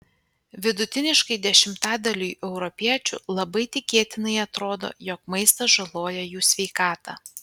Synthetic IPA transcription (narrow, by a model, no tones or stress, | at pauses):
ʋʲɪd̪ʊt̪ʲɪnʲɪʃkɐɪd̪ʲɛʃʲɪmt̪ɑːd̪ɐlʲuːʔɛʊɾɔpʲiɛt͡ʃʲʊ̰ːlˠɐbɐɪt̪ʲɪkʲeːt̪ʲɪnɐɪɐt̪ɾoːd̪o̰ːjɔk̚mɐɪst̪ɐʒɐlˠoːjɛjuːsʲʋʲɛɪkɑːt̪ɑ̰